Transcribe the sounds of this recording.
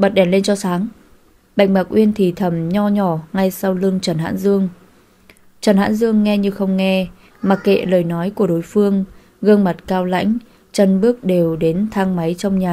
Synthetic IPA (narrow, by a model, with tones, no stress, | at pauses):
ɓə˨˩t̚ɗɛ˧˩nle˧nt͡ɕɔ˧saː˨˦ŋ | ɓa̰˨˧˨jŋ̟̚ma˨˩k̚ʔwi˧ənt̪ʰi˨˩t̪ʰə˧˩mɲɔ˧ɲɔ˧˩ŋa˧jsa˧wlɨ˧əŋt͡ɕə˨˧˩nha̰ː˧˥nzɨ˧əŋ | t͡ɕə˨˩nha̰ː˧˥nzɨ˧əŋːɛ˧ɲɨ˧xə˧wŋ͡mŋɛ˧ | ma˨˩k̚kḛ˧˨ləː˨˩jnɔ˨˦jku˧˩əɗo˨˦jfɨ˧əŋ | ɣəː˧nma˨˩t̚kaː˧wla̰˧˥jŋ̟ | t͡ɕə˧˩nɓɨ˦˥ək̚ɗe˨˩wɗe˨˦nt̪ʰaː˧ŋma˨˦jt͡ɕɔ˧wŋ͡mɲaː˨˩